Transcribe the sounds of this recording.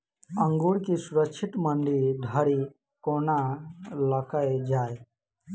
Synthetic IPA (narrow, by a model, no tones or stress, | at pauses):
ə̃ŋɡuːɽkisʊɾəkt͡ʃʰɪʈ̪məɳɖid̪ʱəɾi | koːnaləkʰəed͡ʒaːe